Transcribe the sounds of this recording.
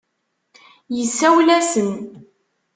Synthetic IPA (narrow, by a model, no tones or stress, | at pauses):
jəsːæwlæsən